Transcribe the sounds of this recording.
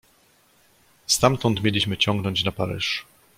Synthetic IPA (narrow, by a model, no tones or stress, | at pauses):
st̪amt̪ɔnt̪mʲjelʲiɕmɘt͡ɕɔŋɡnɔɲt͡ɕnapaɾɘ̰ʂ